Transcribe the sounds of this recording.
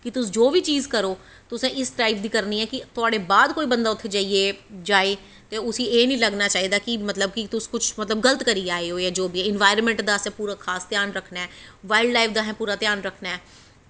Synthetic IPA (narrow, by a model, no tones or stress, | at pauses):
kɪt̪ʊsd͡ʒoːbiːt͡ʃiːzkəɾoː | t̪ʊsɛ̃ːʔɪsʈɾaːɪpd̪iːkəɾniːɛːkɪt̪ʊaːɽeːbaːd̪koːiːbənd̪aːʊt̪ʰːeːd͡ʒaːieːd͡ʒaːeː | t̪eːʊsiːeːnĩːləɡnaːt͡ʃaːɦiːd̪aːkɪmət̪ləb̚kɪt̪ʊskʊt͡ʃʰmət̪ləbɡələt̪kəɾiːaːeːɦoːɛːd͡ʒoːbiːɛɪnʋaːɪɾəmɛ̃ɳʈd̪aːsɛ̃ːpuːɾaːkʰaːst̪ɪjaːnɾəkʰnɛːʋaːɪlɖlaːɪfʰd̪aːɦɛ̃ːpuːɾaːt̪ɪjaːnɾəkʰnɛɛː